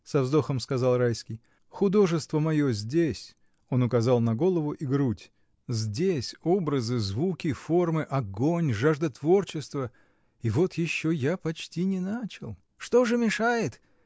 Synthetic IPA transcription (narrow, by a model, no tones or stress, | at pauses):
sɐvzd̪o̞xəmskɐzɑlˠrajskʲɪj | xʊd̪o̞ʐɨst̪vəmɐjo̞zʲdʲesʲ | o̞nʊkɐzɑlˠnɐɡo̞lˠəvʊʔiɡɾutʲ | zʲdʲesʲo̞bɾəzɨzvukʲɪfo̞rmɨʔɐɡo̞nʲʐaʐd̪ɐt̪vo̞rt͡ɕɪst̪və | ɪvo̞t̪jɪɕːojapɐt͡ɕtʲinʲɪnat͡ɕɪlˠ | ʂt̪o̞ʐɨmʲɪʂajɪt̪